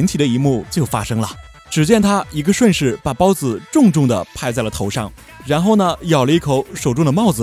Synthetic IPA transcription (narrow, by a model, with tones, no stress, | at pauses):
i˧˥nt̪ʰi˨˩d̪ə˦i˧˥mu˥˩t͡ɕjo˥˩ʊfa̰˥ʂɤ˥ŋlə˨ | ʈ͡ʂɻ̩˨˩t͡ɕjɛ˥˩nt̪ʰa˥i˧˥ɡə˧ʂwə˥˧nʂɻ̩˥˩pa˨˩pɑ˥ʊd͡zɹ̩˨˩ʈ͡ʂʊ˥˧ŋʈ͡ʂʊ˥˩ŋd̪ə̰˩pʰa˥˧ɪt͡sa˥˩ɪlə˩t̪ʰo˧˥ʊʂɑ˥˩ŋ | ɻa˧˥nxo˥˩ʊnə˩jɑ˨˩ʊlə˧˦i˥˩kʰo˧˥ʊʂo˨˩ʊʈ͡ʂʊ˥ŋd̪ə˧mɑ˥˩ʊd͡zɹ̩˩